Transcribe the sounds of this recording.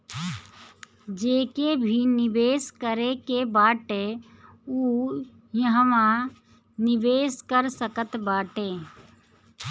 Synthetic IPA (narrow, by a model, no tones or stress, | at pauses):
d͡ʒeːkebʱinɪʋeːskəɾekebaːʈe | uː | jəɦmã | nɪʋeːskəɾsəkət̪baːʈeː